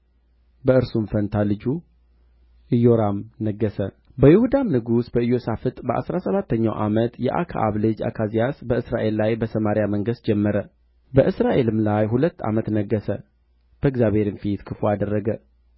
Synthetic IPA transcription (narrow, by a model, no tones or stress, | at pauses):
bəɨɾsunfənt̪ʰalɨd͡ʒu | ʔɨjo̞ɾamnəɡːəsə | bəjɪhud̪amnɨɡusbəɨjːo̞safɨt̪ʼbəʔa̰sɾasəβat̪ʰːəɲːawʔa̰mət̪jɛ̰ʔa̰kʰa̰ʔa̰βlɨd͡ʒa̰kʰazijasbəɨsɾaʔe̞lːajbəsʰəmaɾjaməŋɡɨst̪̚d͡ʒɛmːəɾə | bəʔɨsɾaʔe̞lɨmlajhulət̪ːa̰mət̪nəɡːəsə̰ | b̥əɪɡzjaβheɾɨnfit̪kʰɨfoad̪ərːəɡə